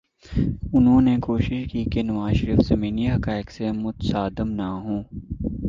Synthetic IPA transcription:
ʊnɦõːnekoːʃɪʃkiːkenɐʋaːzʃəɾiːfsɐmĩːnijɦɐkaːɪksemʊt̪saːd̪əmnaɦõː

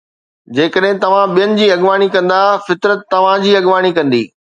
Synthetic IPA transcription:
d͡ʑeːkəɗɦɪ̃t̪ɐʋ̤ãɓijənɪ̆d͡ʑiːɐɠʋaːɽ̃ikɐ̃nd̪afɪt̪ɾət̪ːɐʋ̤ãd͡ʑiːɐɠʋaːɽ̃ikɐ̃nd̪ḭː

